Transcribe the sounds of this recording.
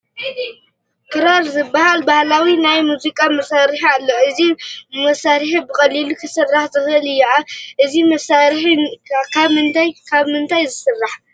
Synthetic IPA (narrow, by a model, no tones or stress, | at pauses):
kʰɨɾaɾzɨbːahalbahlawinajmuzikʼamɐsaɾħalːoʔɨzimɐsaɾħibɨxʼɐlːilukʰɨsɨrːaħzɨxɨʔɨlɨjːaʕaʔɨzimɐsaɾħkʰaβmɨnt̪ʰajkʰaβmɨnt̪ʰajzɨsɨrːaħ